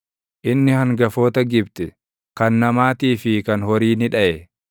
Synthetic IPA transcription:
ʔɪnːɪhɐŋɡɐfo̞ːt̪ɐɡɪbt̪ɛ | kɐnːɐmaːt̪iːfɪkɐnhɔɾiːnɪᶑɐʔɛ

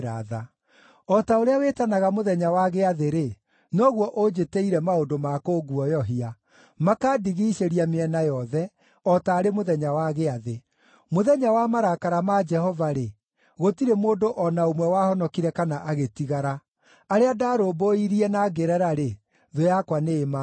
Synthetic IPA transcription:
ɾaða | ɔtaoɾeawetanaɣamoðɛɲawaɣeaðeɾe | nɔɣwɔʔod͡ʑeteiɾɛmaodomakoɡuɔjɔɦia | makaːdiɣiʃeɾiameɛnajɔðɛ | ɔtaːɾemoðɛɲawaɣeaðe | moðɛɲawamaɾakaɾamad͡ʒɛhɔvaɾe | ɣotiɾemoːndoʔɔnaomwɛwahɔnɔkiɾɛkanaʔaɣetiɣaɾa | aɾeadaːɾoboiɾiɛnaːɡeɾɛɾaɾe | ðojakwaneːma

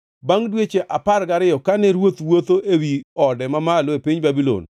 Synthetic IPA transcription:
baŋdwet͡ʃeʔaparɡaɾɪjɔkanɛɾwot̪wot̪oʔewiɔdɛmamalɔepiɲbabilo̰n

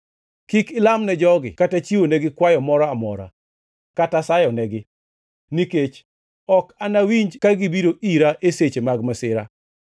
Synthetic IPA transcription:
kikɪlamnɛd͡ʒɔɡɪ̰katat͡ʃiwonɛɡɪkwajɔmɔɾɔamɔ̰ɾa̰ | katasajɔnɛɡɪ | niket͡ʃ | ɔkanawiɲd͡ʒkaɡibiɾoʔiɾaʔeset͡ʃemaɡmasɪɾa̰

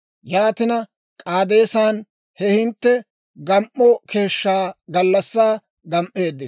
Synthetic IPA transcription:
jaːt̪ɪnɐ | kʼaːd̪e̞ːsaːn | hɛhɪnt̪ːɛ | ɡɐmʔɔkʰe̞ːʃːaːɡɐlːɐsːaː | ɡɐmʔːe̞ːd̪ːɪ

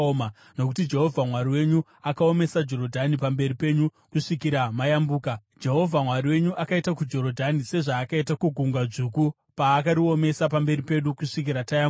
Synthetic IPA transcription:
ma | no̞kutid͡ʒe̞ɦo̞vʱamwaɾiwe̞ɲu | akao̞me̞sad͡ʒo̞ɾo̞dʱanipambe̞ɾipe̞ɲu | kuʂikiɾamajambuːkad͡ʒe̞ɦo̞vʱamwaɾiwe̞ɲuʔakaitakud͡ʒo̞ɾo̞dʱanise̞ʐaːkaitakuɡʱuŋɡwaʐuːku | paːkaɾio̞me̞sapambe̞ɾipe̞ɗukuʂikiɾatajam

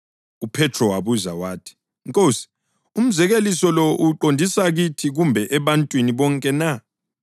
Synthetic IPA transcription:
upʰɛtʰrɔwaβuza̰waːtʰi̥ | ŋkʼosi̥ | um̩zɛɣelisɔlɔʔuǃondʱisaɣitʰiɣumbʱɛʔɛβantʼwiniβɔŋkʼɛna

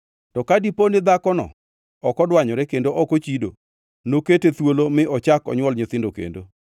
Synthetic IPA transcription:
tɔkadiponɪd̪akɔnɔ̰ | ɔkɔdwaɲɔɾɛkendoʔɔkot͡ʃido̰ | noketet̪wolomɪʔɔt͡ʃakɔ̰ɲwɔlɲʊt̪ɪndokḛndo

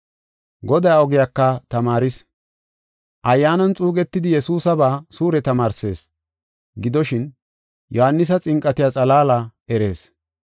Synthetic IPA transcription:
ɡɔd̪ɐjɔɡɪjakːɐt̪ɐmaːɾɪs | ʔɐjːaːnɐnt͡sʼuːɡɛt̪ːɪd̪ɪjɛsuːsɐbaːsuːɾɛt̪ɐmaːɾse̞ːs | ɡɪd̪ɔʃɪn | jɔhanːɪs̬ɐt͡sʼɪŋkʼɐt̪ɪjat͡sʼɐlaːlɐɛɾe̞ːs

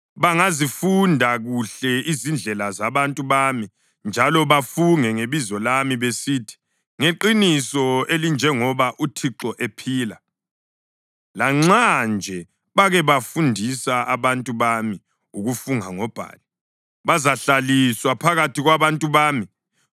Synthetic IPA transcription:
βaŋazifundʱaɣuɬɛizind͡ɮʱɛlazaβantʼuβami | nd͡ʒʱalɔβafuŋɛŋeβizɔlamiβesiːtʰi̥ | ŋeǃinisɔelind͡ʒʱɛŋɔβaʔutʰiǁɔʔepʰiːla | laŋ͡ǁand͡ʒʱɛ | βaɣɛβafundʱisaʔaβantʼuβami | uɣufuŋaŋɔb̥ʱa̰ːli | βazaɬaliswapʰaɣatʰiɣwaβantʼuβaːmi

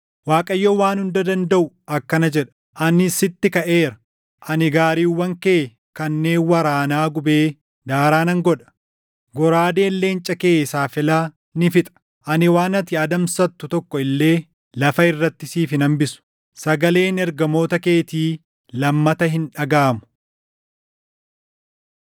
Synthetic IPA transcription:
waːkʼɐjːowaːnhʊnd̪ɐd̪ɐnd̪ɐʔʊ | ɐkːɐnɐd͡ʒɛᶑɐ̥ | ʔɐnɪsɪt̪ːɪkɐʔeːɾɐ̥ | ʔɐnɪɡaːɾiːwːɐŋkeː | kɐnːe̞ːnwɐɾaːnaːɡʊbe̞ː | d̪aːɾaːnɐŋɡɔᶑɐ̥ | ɡɔɾaːd̪e̞ːlːe̞ːnt͡ʃʼɐke̞ːsaːfɪlaː | nɪfɪt̪ʼɐ̥ | ʔɐnɪwaːnɐt̪ɪɐd̪ɐmsɐt̪ːʊt̪ɔkːɔɪlːe̞ː | lɐfɐɪrːɐt̪ːɪsiːfɪnɐmbɪsʊ̥ | sɐɡɐle̞ːnɛɾɡɐmo̞ːt̪ɐke̞ːt̪iː | lɐmːɐt̪ɐɦɪnᶑɐɡaːmʊ̥

